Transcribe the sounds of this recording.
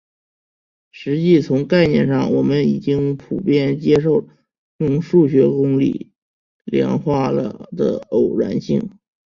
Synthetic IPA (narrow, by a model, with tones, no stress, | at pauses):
ʂɻ̩˧˥t͡ɕi˥˩t͡sʰʊ˧˥ŋka˥˧ɪnjɛ˥˧nʂɑ˥˩ŋwɔ˨˩mə˦˥ni˨˩t͡ɕi˥ŋpʰu˨˩pjɛ˥˩nt͡ɕjɛ˥ʂ̬o˥˩ʊ | jʊ˥˧ŋʂu˥˩ɕɥɛ˧˥kʊ˥ŋlḭ˨˩˦ | ljɑ̰˧˥ŋxwa˥˩lə̰˩d̪ə̰˩o˨˩ʊɻa̰˧˥nɕi˥˩ŋ